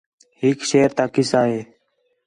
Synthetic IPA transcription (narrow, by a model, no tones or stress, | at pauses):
hɪkʃeːɾt̪aːkɪsaːɦeː